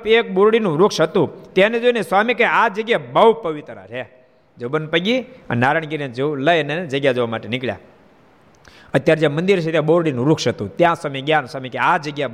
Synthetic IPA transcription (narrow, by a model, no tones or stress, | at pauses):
pek̚ɓoɾɽinũɾukʃət̪ũt̪janed͡ʒoneswamikead͡ʒəɡjabəwpəʋit̪ɾa̰ɾe | d͡ʒəbənpəɡiə̰nnaɾəɳ̃ɡiɾed͡ʒoləjned͡ʒəɡjad͡ʒoʋamaʈenɪkɭja̰ | ət̪ːjaɾd͡ʒjamənd̪iɾt͡ʃʰet̪jãboɾɽinũɾukʰʃət̪ũt̪jãsamiɡjaːnswaːmikead͡ʒəɡja